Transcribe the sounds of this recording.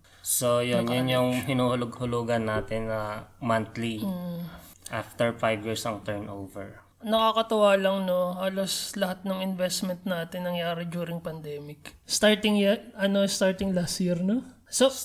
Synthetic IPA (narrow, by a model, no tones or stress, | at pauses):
sojonjʊnjʊŋɦɪnuːhʊlʊɡ̚hʊluːɡɐnːaːt̪ɪnɐmant̪li | ʔaft̪ɛɹfajvjiːɹsɐŋt̪ɛɹnʔowvɛ̰ɹ | nɐkakɐt̪ʊwaːlɐŋno̞haːloslɐhat̪̚nɐŋɪnvɛst̪mɛnt̪̚naːt̪ɪnːɐŋjaːɾɪd͡ʒ̪uːɾɪŋpɐnd̪ɛːmɪkst̪aɹt̪ɪŋjɛɐno̞st̪aɹt̪ɪŋlasiɾno | so